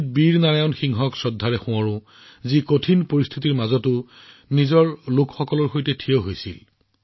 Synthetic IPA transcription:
t̚biɹnaɹajɔnxiŋɦɔksɔdʱːaɹɛxʊ̃ɔɹʊ̃ | zikotʰinpoɹist̪ʰitiɹmazɔtʊ | nizɔɹlʊkxɔkɔlɔɹxojtɛtʰiɔɦojsḭl

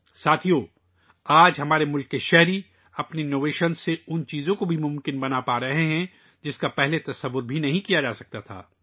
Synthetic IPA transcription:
saːt̪ʰijoː | aːd͡ʒɦɐmaːɾemʊlkːeʃɛɦɾi | ɐpneɪnoːʋeːʃənsːeʊnt͡ʃiːzõkobʱimʊ̃mkɪnbɐnapaːɾɐɦeɦɛ̃ | d͡ʒɪskapɛɦlet̪ɐsəʋːʊɾbʱinɐɦĩkijad͡ʒaːsɐk̚t̪at̪ʰa̰ː

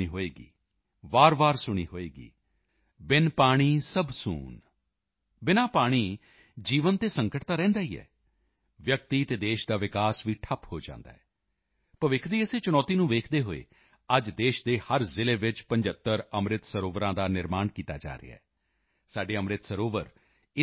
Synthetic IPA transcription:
iːɦoːeːɡḭː | ʋaːɾʋaːɾsʊɽ̃iːɦoːeːɡḭː | bɪnpaːɽ̃iːsəbsṵːn | bɪnaːpaːɽ̃iː | d͡ʒiːʋənt̪eːsəŋkəʈt̪aːɾɛ̃ːnd̪aːiːɛ̰ː | ʋjək̚t̪iːt̪eːd̪eːʃd̪aːʋɪkaːsʋiːʈʰəphoːd͡ʒã̰ːnd̪a̰ːɦɛː | pəʋɪkʰd̪iːəseːt͡ʃʊñɔːt̪iːnũːʋeːkʰd̪eːɦo̰ːḛː | əd͡ʒd̪eːʃd̪eːhəɾzɪleːʋɪt͡ʃpə̃ɲd͡ʒət̪ːəɾəmɾɪt̪səɾoːʋɾãːd̪aːnɪɾmaːɳkiːt̪a̰ːd͡ʒa̰ːɾɪ̰a̰ɛː | saːɖeːəmɾɪt̪səɾoːʋəɾ | ɪ

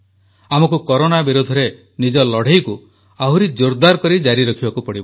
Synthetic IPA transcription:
amɔkukɔɾonabiɾud̪ʱɔɾe | nid͡ʒɔlɔɽ̤ejku | aɦuɾid͡ʒoɾd̪aɾɔkɔɾid͡ʒaɾiɾɔkʰibakupɔɽibɔ

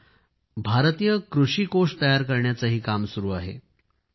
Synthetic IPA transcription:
bʱaɾt̪iːjəkɾuʂiːkoʂʈt̪əjaɾkəɾɳjat͡səɦiːkamsuɾuːaɦḛ

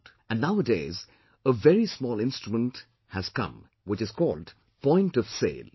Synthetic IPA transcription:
ɨ̃nnaʊədeɪz | əvɛɹismɔːlɪ̃nstɹ̥mə̃nt | hɨz̥kʌ̰̃m | wɪt͡ʃɨz̥kɔːld | pɔ̃ɪ̃ntʌv̥sḛɪlˠ

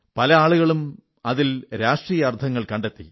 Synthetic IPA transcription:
pɐlɐaːɭuɣɐɭum | ɐðilɾaːʂʈriːjɐɐrt̪ʰɐŋːɐɭkɐɳɖe̞t̪ːḭ

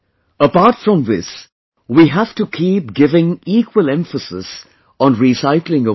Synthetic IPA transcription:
əpaɾʈfɹʌ̃mðɪs | wiɦæftukʰiːp̚ɡɪvɪ̃ŋiːkwəlɛ̃ɱfəsɪ̰s | ɔ̃nɹisaɪklɪ̃ŋə

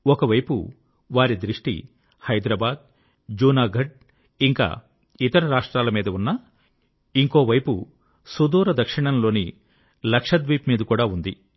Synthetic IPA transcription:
ɔkɐʋɐjpṵ | ʋaːɾid̪ɾiʂʈḭ | hɐjd̪ɾɐbaːd̪̚ | d͡ʒuːnaːɡʱɐɖ̚ | iŋka̰ː | it̪ɐɾɐɾaːʂʈɾaːlɐmiːd̪ɐunːɐ | iŋko̞ːʋɐjpu | sud̪uːɾɐd̪ɐkʂiɳɐnlo̞ːni | lɐkʂɐd̪ʋiːpmiːd̪ɐkuːɽaːund̪i

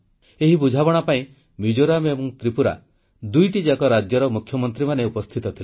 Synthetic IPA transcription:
eɦibud͡ʒʱaβɔɽ̃apaĩ | mid͡ʒoɾamebɔŋt̪ɾipuɾa̰ | d̪ujʈid͡ʒakɔɾad͡ʒjɔɾɔmukʰjɔmɔnt̪ɾimaneupɔst̪ʰit̪ɔt̪ʰil

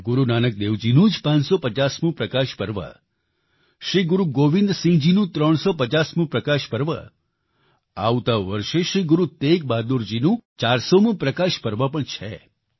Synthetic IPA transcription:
ɡʊɾunanək̚d̪eʋd͡ʒinũd͡ʒpãt͡ʃsɔpət͡ʃasmũpɾəkaʃpəɾʋa̰ | ʃɾiɡʊɾuɡoʋĩnd̪sĩd͡ʒinũt̪ɾəɳ̃sɔpət͡ʃasmũpɾəkaʃpəɾʋa̰ | a̰ʋt̪aʋəɾʃeʃɾiɡuɾut̪ek̚bad̪uɾd͡ʒinũt͡ʃaɾsomũpɾəkaʃpəɾʋapəɳt͡ʃʰɛ̰

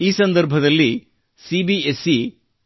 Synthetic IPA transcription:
iːsɐnd̪ɐɾbʱɐd̪ɐlːi | sibiesi

